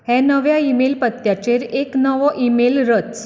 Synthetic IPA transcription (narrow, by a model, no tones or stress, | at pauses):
hɛ̃nəʋjaimelpət̪jat͡ɕeɾeknəʋɔʔimelɾət͡s